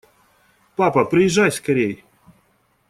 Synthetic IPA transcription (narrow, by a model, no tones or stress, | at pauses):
papəpɾʲɪjɪʐːajʲskɐɾʲej